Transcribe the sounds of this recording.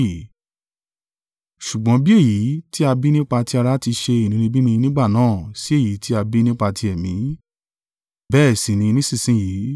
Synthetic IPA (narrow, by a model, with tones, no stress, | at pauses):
ʃu˨ɡ͡bɔ̃˨˦bi˦e˦˨ji˨˦ti˦a˧bi˦nĩ˦k͡pa˧ti˦a˧ɾa˧˦ti˧ʃe˧i˨nĩ˨˧ɾĩ˧bi˦nĩ˧nĩ˦ɡ͡ba˦˨nãː˦˨si˦e˦˨ji˨˦ti˦a˧bi˦nĩ˦k͡pa˧ti˧ɛ˨mĩ˨˦ | bɛː˦˨sĩ˨nĩ˧nĩ˦sĩ˦˨sĩ˨˦jiː˨˦